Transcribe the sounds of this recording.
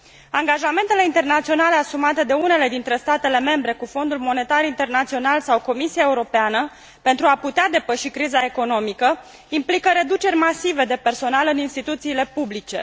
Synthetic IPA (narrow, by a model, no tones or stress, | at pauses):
aŋɡaʒame̞nt̪e̞le̞int̪e̞rnat̪sio̞nale̞asumat̪e̞d̪e̞une̞le̞d̪int̪ɾe̞st̪at̪e̞le̞me̞mbɾe̞kufo̞nd̪ulmo̞ne̞t̪aɾint̪e̞rnat̪sio̞nalsawko̞misiaeuɾo̞peanə | pe̞nt̪ɾuaput̪ead̪e̞pəʃikɾizae̞ko̞no̞mikə | implikəɾe̞d̪ut͡ʃe̞rʲmasive̞d̪e̞pe̞rso̞nalɨninst̪it̪ut̪siːle̞publit͡ʃe̞̰